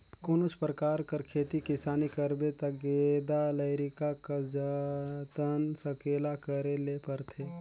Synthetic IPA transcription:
koːnot͡ʃpɾəkaːɾkəɾkʰeːt̪ikɪsaːnikəɾbet̪ɐɡed̪aləɾɪkakad͡ʒət̪ənsəkeːlakəɾelepəɾt̪ʰeː

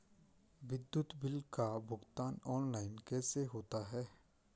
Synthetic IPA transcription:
ʋɪd̪jʊt̪bɪlkabʱʊɡt̪aːnɔːnlaːɪnkɛːseɦoːt̪aɦɛː

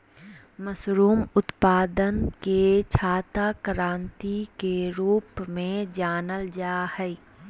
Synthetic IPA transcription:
məsɾuːmʊt̪paːd̪ənket͡ʃʰaːt̪akɾãːnt̪ikeɾuːpmẽd͡ʒaːnəld͡ʒaːhɛ

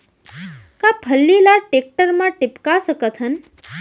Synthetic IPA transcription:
kabʰʱəlːilaʈek̚ʈəɾmãʈɪpkasəkət̪ʰɦən

